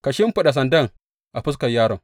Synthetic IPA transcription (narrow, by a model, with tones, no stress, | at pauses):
ka˨ʃi˦m˦pu˦ɗa˨s̬ɐ˨ndɐ˦˨ŋ | ʔa˨ɸu˦s̬ka˨jːaː˦ɾo˨